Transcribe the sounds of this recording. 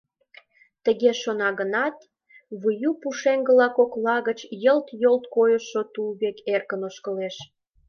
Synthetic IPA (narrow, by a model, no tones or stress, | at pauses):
t̪əɣeʃonɑɣənɑt̪̚ | βujupuʃeŋɡəlɑkoklɑɣət͡ɕjəlt̪jolt̪kojəʃot̪uβekerkənoʃkəleʃ